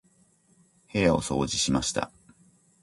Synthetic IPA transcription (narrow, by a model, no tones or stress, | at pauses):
he̞jao̞so̞̰ːd͡ʑiɕimaɕi̥t̪ʰa̰